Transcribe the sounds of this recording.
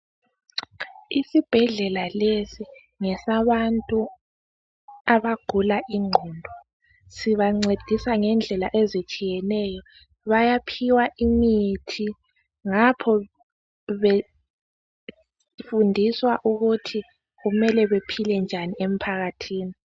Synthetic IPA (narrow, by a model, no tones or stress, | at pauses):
isib̥ʱɛɮɛlalesi | ŋɛsaβantʼu | aβaɡ̥ʱulaʔiŋ͡ǃʱɔːndʱɔ | siβaŋ͡ǀed̥ʱisaŋɛnd͡ɮʱɛlaʔezit͡ʃʼijɛnɛjɔ | βajapʰiwaʔimitʰi | ŋapʰɔ | βe | fundʱiswaʔuɣutʰi | ɣumɛlɛβepʰilɛnd͡ʒʱaniem̩pʰaɣatʰiːni